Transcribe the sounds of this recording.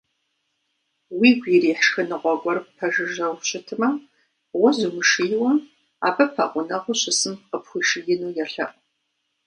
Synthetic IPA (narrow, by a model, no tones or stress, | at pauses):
wiːɡʷiriːħʃxɐnɨʁʷɔɡʷʼɔɾɨppʰɐʒɨʒɐwɕʼɪtʰɨmɐ | wɐzumɨʃɨjɪwɐm | a̰ːbɐpʰɐqʷʊnɐʁʷʊɕɪsɨmqəpxʷʊʃɪjɪnuːjɛɬɐ̰ʔ